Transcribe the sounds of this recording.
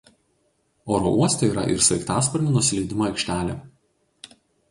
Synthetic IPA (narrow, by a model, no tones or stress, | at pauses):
oːɾo̰ʔuɔsʲt̪ʲoiːɾɐ̰ʔɪ̰ɾsɐɪkt̪ɑːspɔɾʲnʲinʊsʲɪlʲɛɪd̪ʲɪmoɐɪkʃʲt̪ʲæːlʲeː